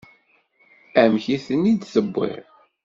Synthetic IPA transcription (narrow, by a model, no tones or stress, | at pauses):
æmçiθənːid̪θəbːḭɾ